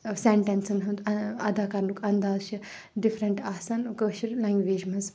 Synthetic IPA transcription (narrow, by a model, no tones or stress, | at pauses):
seɳʈensɐnɦund̪ɐɐd̪aːkɐɾnukɐnd̪aːzʃʰi | ɖifʰɾɐɳʈaːsanukəʃiɾlaŋɡʋeːd͡ʒmɐnz